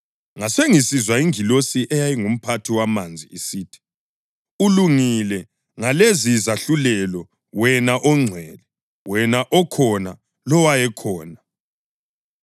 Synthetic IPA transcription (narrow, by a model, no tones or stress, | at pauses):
ŋaseŋisizwaiŋilosiʔɛjajiŋum̩pʰatʰiwamand͡zʱḭisiːtʰi̥ | uluŋilɛ | ŋalezizaɬulɛlɔ | wɛnaʔɔŋ͡ǀʱwɛlɛ | wɛnaʔɔkʰɔna | lɔwajɛkʰɔːna